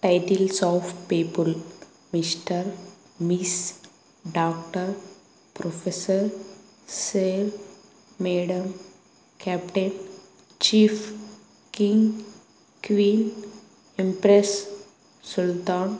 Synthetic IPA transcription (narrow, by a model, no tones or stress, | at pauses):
ʈaɪʈilsɔːfpiːpəl | mɪsʈəɾ | mis | ɖaːkʈəɾ | pɾofesəɾ | seːl | meːɖəm | kʰɛːpʈen | t͡ʃiːf | kĩŋɡ | kʋĩːn | ĩmpɾes | sʊlt̪ãːn